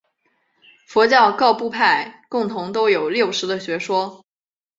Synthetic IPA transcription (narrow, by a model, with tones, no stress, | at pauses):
fɔ˧˥t͡ɕjɑ˥˧ʊkɑ˥˧ʊpu˥˧pʰa˥˩ɪkʊ˥˩ŋt̪ʰʊ˧˥ŋt̪o˥ʊjo˨˩ʊljo˥˩ʊʂɻ̩˧˥d̪ə˧ɕɥɛ˧˥ʂwɔ˥